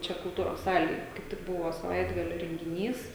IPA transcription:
ˈt͡ʃʲɛ kʊlˠˈtuːroːs ˈsɑːlʲeːj kɐɪp ˈtʲɪk ˈbʊʋoː sɐˈʋɐɪdɡɐlʲoː rʲɛŋʲɡʲɪˈnʲiːs

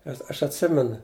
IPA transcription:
nʲɛs ˈɐʃ ɐtʲˈsʲɪmʲɛnʊ

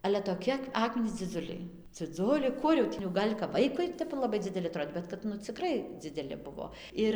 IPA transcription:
ɐlʲɛ toːˈkʲɪ ˈɑːkmʲɪnʲiːs d͡zʲɪˈd͡zʊlʲɛɪ d͡zʲɪˈd͡zʊlʲɛɪ ˈkʊr jɛʊ tʲiː jɛʊ ˈɡɐlʲ kɐp ˈʋɐɪkʊɪ ˈtʲɛp lˠɐˈbɐɪ d͡zʲɪdʲɛˈlʲɪ ɐˈtroːtʲ ˈbʲɛt kɐt ˈnʊ t͡sʲɪˈkrɐɪ d͡zʲɪdʲɛˈlʲɪ ˈbʊʋoː ˈɪr

